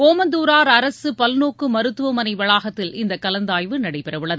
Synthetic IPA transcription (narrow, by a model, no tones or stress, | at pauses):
koːmɐnd̪uːɾaːɾɐɾɐsɯpɐlnoːkːɯmɐɾɯt̪ːɯʋɐmɐnɐɪʋɐɭaːɣɐt̪ːɪlɪnd̪ɐkːɐlɐnd̪aːjʋɯnɐɽɐɪpɛɾɐʋɯɭːɐðɯ